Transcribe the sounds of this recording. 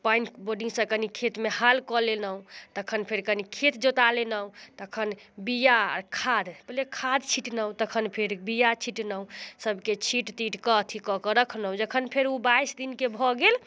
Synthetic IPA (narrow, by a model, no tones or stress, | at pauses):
pajnboɾɖiŋɡsə̃kənikʰet̪mehalkɔlenəũt̪əkʰənpʰeɾkənikʰet̪d͡ʒot̪alenəũt̪əkʰənbija̰ɾkʰad̪pəlekʰad̪t͡ʃʰiʈnəũt̪əkʰənpʰeɾbijat͡ʃʰiʈnəɦũsəbket͡ʃʰiʈt̪iʈkət̪ʰikɔkəɾəkʰnəũd͡ʒəkʰənpʰeɾubaisd̪inkebʱɔɡel